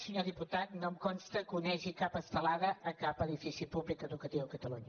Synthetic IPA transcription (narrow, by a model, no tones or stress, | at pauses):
səɲoðiput̪at̪nomkɔnst̪əkunɛʒikapəst̪əlaðəʔəkapəðifisipuβlikəðukət̪iwəkət̪əluɲə